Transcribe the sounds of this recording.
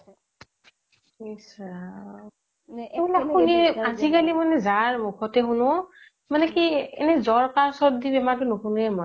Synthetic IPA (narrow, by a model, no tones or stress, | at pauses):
isa | ɛbilauniazikalimanɛzaɹmukʰɔtɛɦunũ | manɛkiɛ̰nɛzɔɹkaɹsɔɾd̪ibɛmatunukʰunɛmɔ